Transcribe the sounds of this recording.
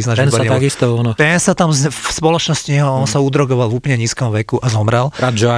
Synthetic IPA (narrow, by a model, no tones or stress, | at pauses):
iznaɛnsbɔɾɲɛt̪aɡist̪ɔanɔt̪ɛnsat̪amzspɔlɔt͡ʃnɔscɲɛɦɔɔnsaud̪ɾɔɡɔʋalvuːpl̩ɲɛɲiːskɔmʋɛkuʔazɔmɾɛlɾad̪d͡ʒɔa